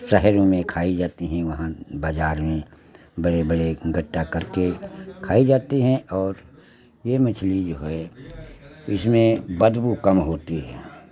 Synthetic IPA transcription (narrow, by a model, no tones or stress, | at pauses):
sɛɦɾõmẽkʰaːid͡ʒaːt̪iɦɛ̃ʋɐɦãbaːd͡ʒaːɾmẽ | bɐɽebəɽeɡʱɐʈːakɐɾkekʰaːid͡ʒaːt̪iɦɛ̃ʔɔːɾ | jemɪt͡ʃʰlid͡ʒoːɦɛ | ɪsmẽbəd̪bukɐmɦoːt̪iɦɛ̰ː